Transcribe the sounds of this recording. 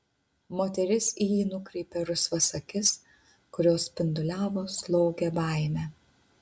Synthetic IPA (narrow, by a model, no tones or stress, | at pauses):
moːt̪ʲɛɾʲɪsijiːnʊkɾʲɛɪpʲɛɾʊsʋɐsɐkʲɪs | kʊɾʲoːspʲɪnd̪ʊlʲæːʋoːslˠoːɡʲɛbɑˑɪmʲæ